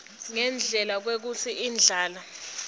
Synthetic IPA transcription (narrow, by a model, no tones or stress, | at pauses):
ŋɛnd͡ɮʱɛlak̬wek̬usʰiʔiːnd͡ɮʱaːla